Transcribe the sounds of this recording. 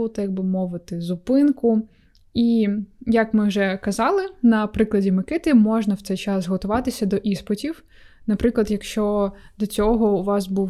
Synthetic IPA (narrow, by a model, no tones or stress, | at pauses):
ʊt̪ɐjɐɡ̚bɪmɔʋɪt̪ɪzʊpɪnkʊ | ijɐkmɪwʒɛkɐzɑlˠɪnɐpɾɪklˠɐdʲimɪkɪt̪ɪmɔʒnɐwt̪sɛjt͡ʃɑzzɦɔt̪ʊʋɑt̪ɪsʲɐd̪ɔʔispɔtʲiw | nɐpɾɪklˠɐd̪jɐkʃt͡ʃɔd̪ɔt͡sʲɔɦɔuʋɑsbuw